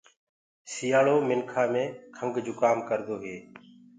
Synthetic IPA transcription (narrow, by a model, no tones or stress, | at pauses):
sijaːɭoːmɪnkʰaːmẽːkʰəŋɡd͡ʒʊːkaːmkəɾd̪oːɦeː